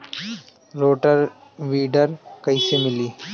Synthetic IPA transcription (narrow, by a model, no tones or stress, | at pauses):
ɾoːʈəɾ | ʋiːɖəɾkəjsemɪliː